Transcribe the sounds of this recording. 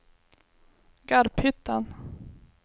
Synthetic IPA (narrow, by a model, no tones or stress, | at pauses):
ɡ̥aɾphʏt̪ʰːan